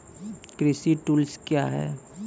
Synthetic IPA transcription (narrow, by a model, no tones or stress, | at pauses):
kɾɪsiʈuːlskjaɦɛ̰ː